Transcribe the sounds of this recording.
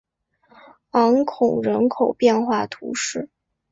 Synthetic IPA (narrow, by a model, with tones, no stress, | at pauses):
ɑ˧˥ŋkʰʊ˨˩ŋɻə˧˥nkʰo˨˩ʊpjɛ˥˧nxwa˥˩t̪ʰṵ˧˥ʂɻ̩˥˩